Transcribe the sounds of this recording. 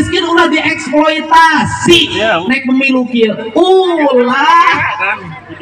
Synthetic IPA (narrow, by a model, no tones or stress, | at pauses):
skɪnulahdiʔɛkspɔjt̪asinaik̚pəmilukiulah